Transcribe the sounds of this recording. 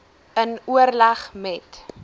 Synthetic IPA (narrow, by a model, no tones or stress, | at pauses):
ənuərlaχmɛt